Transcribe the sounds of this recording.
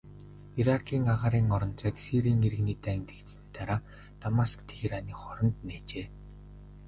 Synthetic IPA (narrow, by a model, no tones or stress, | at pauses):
iɾakʰiːŋaʁaːɾiːŋɔɾɞ̆nt͡sœːksiɾiːŋeɾɘ̆ɣniːt̪æːŋʲt̪ĕ̥kt̪sɘ̆nt̪aɾaː | t̪amaskt̪ʰexiɾaniːχɔɾɞ̆nt̪neːt͡ɕeː